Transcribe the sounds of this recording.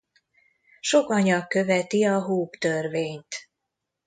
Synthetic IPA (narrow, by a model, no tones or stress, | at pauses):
ʃo̞kɒɲɒkːø̞vɛt̪iɒɦuːpt̪ørveːɲt̪